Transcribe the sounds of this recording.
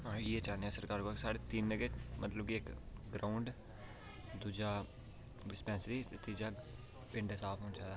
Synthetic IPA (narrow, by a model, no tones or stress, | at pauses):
ɦãːjeːt͡ʃaːneaːsəɾkaːɾkoksaːɽet̪iːnːəɡemə̰t̪ləb̚kiɪkɡɾaʊɳɖ | d̪uːd͡ʒaː | ʋɪspɛ̃ːnsɾiːt̪et̪iːd͡ʒaː | pɪ̃ɳɖsaːfʰɦõːnt͡ʃaːd̪a